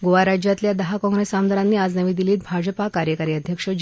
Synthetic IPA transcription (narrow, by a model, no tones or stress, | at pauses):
ɡoʋaɾad͡ʑjat̪ljad̪əɦakɔ̃ŋɡɾesamd̪ʱəɾanːiːad͡znəʋiːd̪iliːt̪̚bʱad͡ʑəpakaɾjəkaɾiːəd̪ʱjəkʂə